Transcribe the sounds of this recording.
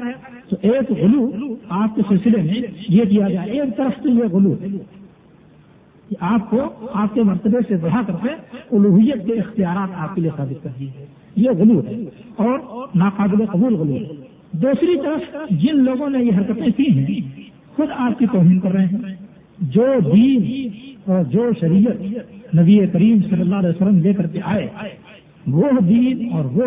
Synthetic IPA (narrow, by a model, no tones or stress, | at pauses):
t̪oʔeːkɣʊluaːp̚kesɪlsɪlemẽjek̬ijaɡaeːk̚t̪əɾəft̪ojeɣʊluɦɛː | kʔaːp̚koaːp̚kemɐɾt̪əbesed̪ɐɦakɐɾt̪ẽʊluːɦʊjːət̪̚keɪxt̪ijaːɾaːt̪aːp̚kelijesaːbɪt̪̚kɐɾd̪iɛ̃ | jeɣʊluɦɛ̰ːɔːɾnaːqaːbɪleqɐbuːlɣʊluːɦɛɛ | d̪uːsɾit̪əɾəfd͡ʒɪnloːɡõnejeɦɐɾkət̪ẽsĩɦɛ̃ | xʊd̪aːp̚kit̪ɔːɦiːnkɐɾːəɦẽɦɛ̃ː | d͡ʒoːd̪iːnɔːɾd͡ʒoːʃɐɾijət̪nɐbiekəɾiːmsɐlːəlːaːɦlɛːjsəlːəmlekɐɾkeʔaːe | ʋoɦd̪iːnɔːɾʋo